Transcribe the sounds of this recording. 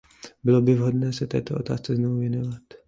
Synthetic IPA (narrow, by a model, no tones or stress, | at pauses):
bɪlobɪvɦo̞dnɛːsɛt̪ɛ̰ːt̪oʔo̞t̪a̰ːst͡sɛznovuvjɛnovat̪